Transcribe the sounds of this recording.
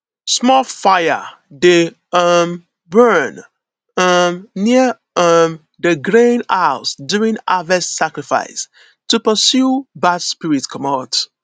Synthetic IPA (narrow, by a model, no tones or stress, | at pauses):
smɔlfaɪə̰ | de | ʌm | bɜn | ʌmni | ʌm | dəɡɹẽnaʊsduɹĩnavɛstsakɹifa̰ɪs | tupəsjubadspiɹitkʰɔmat